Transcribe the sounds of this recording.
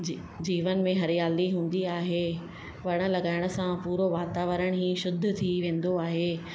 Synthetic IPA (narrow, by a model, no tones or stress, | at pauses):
d͡ʑiːʋən̆mẽɦɐɾɪjaːliɦũːn̆d̪iaːɦe | ʋɐɽ̃ə̆lɐɡaːɪɽ̃ə̆sãpuːɾoʋaːt̪aːʋəɾəɽ̃ɦĩːʃʊd̪̆ʱt̪ʰiʋẽːn̆d̪oaːɦeː